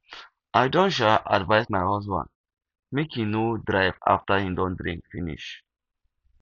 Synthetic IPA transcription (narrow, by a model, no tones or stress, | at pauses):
ʔajdõnʃ̬alʔa̰dvaɪsmaɪhɔsbã̰nd̚ | mekʰĩnodɹaɪva̰ftəhĩdɔ̃ndɾḭ̃ŋkfĩnḭʃ